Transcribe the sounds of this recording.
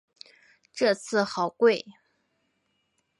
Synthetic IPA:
ʈ͡ʂɤ˥˧t͡sʰɹ̩˥˩xɑ˨˩ʊkwe˥˩ɪ

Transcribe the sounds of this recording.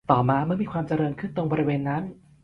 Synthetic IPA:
t̪ɔː˨˩maː˧ma˥˩miː˧kʰwaː˧mt͡ɕa˧ɾɤː˧nkʰɯ˥˩nt̪o˧ŋbɔː˧ɾi˧weː˧nːa˦˥n

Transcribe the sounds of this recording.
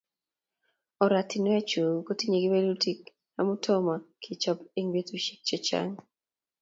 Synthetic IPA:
ɔ˨ɾa˨ti˨n˦ɛ˦t͡ʃu˨ko˦ti˦ɲe˨ɡi˦be˦lu˦ti˦k | na̰˨˦mu˦tʰɔ˦ma˨kʰi˨t͡ʃɔ˦pe˦ŋbe˦tu˦ʃi̥˦k̚t͡ʃɔ˦t͡ʃa̰˦ŋ

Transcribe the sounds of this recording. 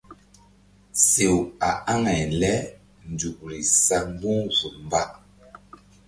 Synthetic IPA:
se˨wa˨a˦ŋɛ˨lɛ˦ | n̩˨du˨k̚ɾi˨sa˦˨m˦bu˦ŋzu˨m˨ba˦ʔ

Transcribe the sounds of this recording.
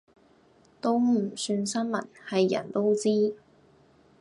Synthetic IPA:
t̪o˥wm̩˨˩syː˧nsɐ˥nmɐ̰˨˩nhɐ˨jːɐ̰˨˩nt̪o˥wt͡siː˥

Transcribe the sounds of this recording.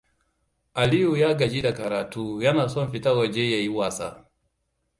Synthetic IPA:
a˨li˦ju˨ja˦ɡa˨d͡ʒi˦da˨ka˨ɾa˨tu˨ja˦na˨sɔ˦m˨fi˨ta˦ɡɔ˨d͡ʒɛ˦ja˨i˦wa˨sa̰˨

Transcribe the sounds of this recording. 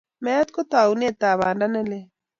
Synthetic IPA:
mɛ˦a˦t̪̚ko˦t̪a˨une˦˨t̪a˨βaː˨nda˦nɛ˦le˦

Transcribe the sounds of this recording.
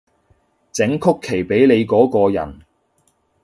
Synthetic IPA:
t͡sɪ˨˥ŋkʰʊ˥kʰːe˨˩jpe˨˥jle˨˧jkɔː˨˥kɔː˧jɐ̰˨˩n

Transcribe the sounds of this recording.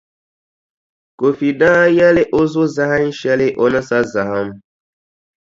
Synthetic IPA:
ko˨fi˨dãː˦ja˦lɪ˦ʔo˦zʊ˦za˦ha˦n˦ʃɛ˦lɪ˦ʔo˦na˦sa˦za˨ha˦m˦

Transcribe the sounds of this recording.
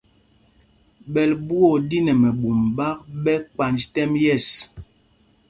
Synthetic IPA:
ɓɛ˨lbu˦o˦˨di˦nɛ˨mɛ˨ɓu˨mɓa˦k̚ɓɛ˦k͡pa˨nd͡ʒtɛ˦mjɛ˦˨s

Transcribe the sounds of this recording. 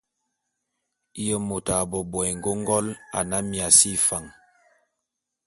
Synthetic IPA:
jə˦mo˨ta˨bɔ˨bɔ˨ɛ˨ŋ˨ɡo˦ŋ˦ɡɔ˦la̰˨na˦mi˨a˨si˦˨fa˨ŋ

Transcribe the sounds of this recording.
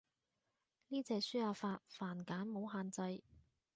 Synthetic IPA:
niː˥t͡sɛː˧k̚syː˥haː˨˧faː˧t̚faː˨˩nkaː˨˥nmo˨˧wɦaː˧nt͡sɐ˧j

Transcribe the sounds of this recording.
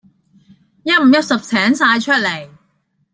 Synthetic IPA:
jɐ˥t̚m̩ː˨˩jɐ˥t̚sɐ˨p̚sʰɛː˨˥ŋsaː˧jt͡ʃʰɵ˥t̚le˨˩j

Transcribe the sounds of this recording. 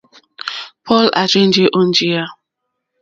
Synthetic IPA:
pʰɔ˦la̰˨t͡ʃe˦n̩˦d͡ʒe˦ʔo˦n̩˦d͡ʒi˦ja˦

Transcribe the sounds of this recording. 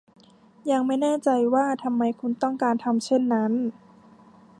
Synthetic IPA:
ja˧ŋma˥˩jnɛː˥˩t͡ɕa˧jwaː˥˩t̪ʰa˧mːa˧jkʰu˧nt̪ɔ˥˩ŋkaː˧nt̪ʰa˧mt͡ɕʰe˥˩nːa˦˥n

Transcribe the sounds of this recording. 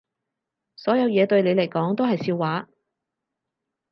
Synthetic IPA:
sɔː˨˥jɐ˨˧wjɛː˨˧t̪ɵ˧ɥle˨˧jlɐ˨˩jkɔː˨˥ŋt̪o˥ɦɐ˨jsiː˧wːaː˨˥

